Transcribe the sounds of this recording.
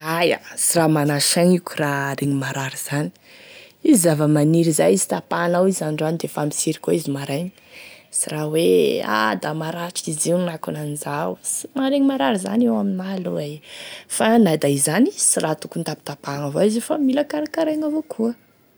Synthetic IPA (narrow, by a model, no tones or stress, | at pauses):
aja̰siɾamanaʃaŋikuraɾeŋimaɾaɾiz̥ani̥ | izizavəmaniɾizajizi̥t̪apanawizanɳɖ͡ʐanid̪efami̥siɾikoizimaɾajɲi̥siɾawea̰d̪amaɾaʈ͡ʂiziwnakunanizawsimaɾeŋimaɾaɾiza̰newaminaluejfanad̪aizanisirat̪u̥kunt̪api̥t̪apaŋavoizefamilakaɾakaɾaŋavokʰuə